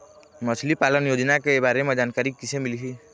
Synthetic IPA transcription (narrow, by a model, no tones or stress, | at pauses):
məsʰlipaːlənjoːd͡ʒnakebaːɾemẽd͡ʒaːnkaːɾikːɪsẽmɪlɦi